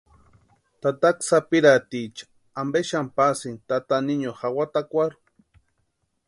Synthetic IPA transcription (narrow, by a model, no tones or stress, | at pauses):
t̪at̪aksapiɾat̪it͡ʃḁ | ambeʃampasint̪at̪aniɲoxawat̪akʷaɾu̥